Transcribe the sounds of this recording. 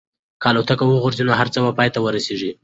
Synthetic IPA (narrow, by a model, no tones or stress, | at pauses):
kɑlot̪akawəɣoɾzinoɦaɾt͡səbapɑjt̪awəɾaseʐi